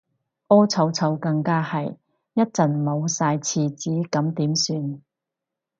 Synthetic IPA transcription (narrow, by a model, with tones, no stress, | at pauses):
ʔɔː˥t͡sʰɐ˨˥wt͡sʰɐ˨˥wkɐ˧ŋkaː˥hɐ˨˩j | jɐ˥t̚t͡sɐ˨˩nmo˨˧wsaː˧jt͡sʰiː˧t͡siː˨˥kɐ˨˥mt̪iː˨˥msyː˧n